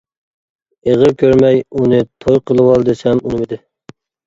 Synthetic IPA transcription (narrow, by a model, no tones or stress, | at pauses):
eʁəɾkʲʰøɾmɛjunɨt̪ʰojqʰəlˠɨwɑlˠd̪ɨsɛmunɨmɪd̪ɪ